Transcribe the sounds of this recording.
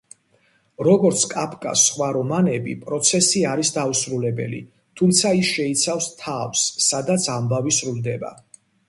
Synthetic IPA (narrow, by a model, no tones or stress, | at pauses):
ɾɔɡɔɾt̪sʰkʼapʰkʼa̰sːχwaɾɔmanɛbḭpʼɾɔt̪sʰɛsiaɾisd̪ausɾulɛbɛ̰lḭ | t̪ʰumt̪sʰaisʃɛit̪sʰafst̪ʰafsːad̪at̪sʰambavisɾuld̪ɛba̰